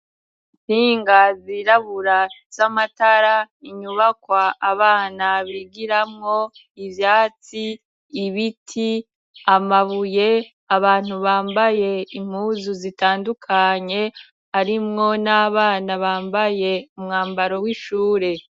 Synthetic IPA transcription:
tiːŋɡaziɾaβuɾaz̥amataɾa | iɲuβakwaːβaːnaβiɡiɾamŋo̞ | ivjaːt͡siː | βitʰi | amaβuje̞ | aβaːn̥huβaːmbaje̞im̥uːzuzitaːndukʰaɲe̞ | aɾimŋo̞naβaːnaβaːmbaje̞umŋaːmbaɾo̞wiʃuːɾe̞

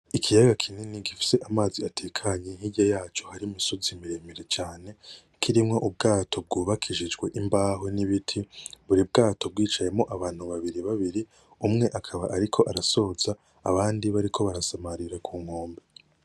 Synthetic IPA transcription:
ikʰijaɡakʰininiɡifi̥se̞ʔamaːziatʰe̞kʰaɲe̞ŋ̥hiɟɟajaːt͡ʃo̞haɾimisozimiɾe̞meɾe̞t͡ʃaːne̞ | kʰiɾimŋo̞ʔub̚ɡaːtʰo̞b̚ɡuːβakʰiʒid͡ʒɡwe̞ʔimbaːɦoniβitʰiβuɾib̚ɡaːto̞b̚ɡiːt͡ʃaje̞mŋo̞ʔaβaːn̥huβaβiɾiβaβiɾi | umŋe̞ʔakʰaβa̰ʔaɾikʰo̞ʔaɾaso̞ːza̰ː | βaːndiβaɾikʰo̞βaɾasamaɾiɾakʰuːŋ̥ho̞ːmbe

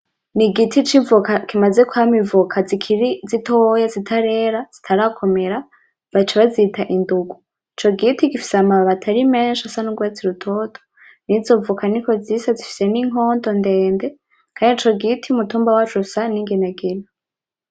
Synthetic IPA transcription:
niɡitit͡ʃivukakimazekuhamivukʰazikʰiɾizitʰojazitʰaɾe̞ɾaz̥itʰaɾakʰo̞me̞ɾa | βat͡ʃaβazitaʔinduɡu | it͡ʃo̞ɡitiɡifi̥seamaβaβatʰaɾimeːnʃasanuɡwat͡siɾutʰo̞tʰo̥ | nizo̞vukaniko̞ziːsazifi̥se̞niŋo̞ːndo̞ndeːnde̞ | kʰaːndiit͡ʃo̞ɡitʰiumutuːmbawat͡ʃusaniŋɡinaɡino

